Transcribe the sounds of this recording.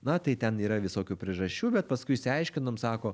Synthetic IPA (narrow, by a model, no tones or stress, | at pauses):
nɐt̪ɐɪt̪ʲɛniːɾɐʋʲɪsoːkʲuːpʲɾʲɪɛʒɐʃʲt͡ʃʲuːbʲɛt̪̚pɐskʊɪʃsʲɪɐɪʃʲkʲɪnoːmsɑːkoː